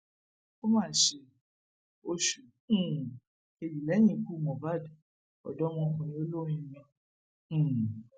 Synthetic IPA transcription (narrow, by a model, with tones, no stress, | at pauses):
o˦mãː˦˨ʃe˧ | o˧ʃũ˨˧˨ | ke˧ji˨lɛ˨˦j̃ĩ˦˧˨ku˦˨mɔ̃˨ba˦˨d | ɔ̰˨dɔ˦mɔ̃˧õ˨ĩ˧o˦lõ˦ĩ˧mĩ˧˦˨